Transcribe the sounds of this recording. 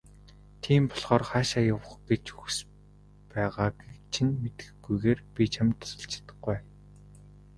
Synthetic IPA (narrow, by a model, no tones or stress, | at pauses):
t̪ʰiːmpɔɮχɔːrχaːʃaːjʊw̆χɡ̥et͡ɕuxs | pæːʁaːkt͡ɕʰĭnmet̪ɘ̥̆xɡujɣeːrpʲit͡ɕʰamt̪s̆ɬt͡ɕʰt̪ə̥̆χuj